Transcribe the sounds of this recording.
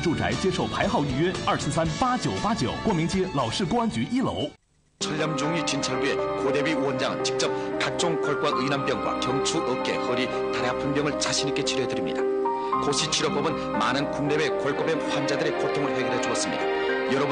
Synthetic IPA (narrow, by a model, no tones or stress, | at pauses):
ʈ͡ʂuʈ͡ʂa̰ɪt͡ɕjɛʂoʊpʰaɪxɑʊiɥɛɐs̩sanpat͡ɕjoʊpat͡ɕjoʊkwɔmiŋt͡ɕjɛlɑʊʂɻ̩k̬oant͡ɕyʔilo̰ʊ | t͡ɕʰʌʎːamd͡ʑuŋɥit͡ɕint͡ɕʰʌɭbue̞kod̪e̞bɥiwʌnd͡ʑaŋɯ̰nt͡ɕik̚t͡ɕ͈ʌp̚kak̚t͡ɕ͈oŋkwʌɭkwaɯinanp͈jʌŋɡwa̰kjʌŋt͡ɕʰuʔʌp̚k͈e̞̰hʌɾi | taɾjapʰɯnbjʌŋɯɭt͡ɕaɕʰinik͈e̞t͡ɕʰiɾoɦedɯɾimɲḭda | koɕʰit͡ɕʰiɾop͈ʌbɯn | manɯnkuŋnebekwʌɭk͈ʌbepwand͡ʑadɯɾikotʰoŋɯɾoɸeɡjʌɾɦet͡ɕoʌs͈ɯmɲid̥̪a | jʌɾʌb